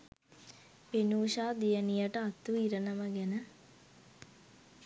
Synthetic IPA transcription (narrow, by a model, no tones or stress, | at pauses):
penuːʃaːd̪ijənijəʈəat̪ːuiɾənəməɡænə